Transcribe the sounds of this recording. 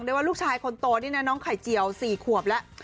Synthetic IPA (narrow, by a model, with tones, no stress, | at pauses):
ŋdjwaː˥˩luː˥˩t͡ɕʰaː˧jkʰo˧nt̪oː˧diː˧˥˩nɛ˦˥nɔː˦˥ŋkʰa˨˩jt͡ɕi˨˩əwsiː˨˩kʰu˨˩əp̚lɛ˦˥ʔ